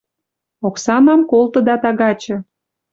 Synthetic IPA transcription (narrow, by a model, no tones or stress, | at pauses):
oksɑnɑmkolˠt̪ə̆d̪ɑt̪ɑɣɑt͡ɕɤ̆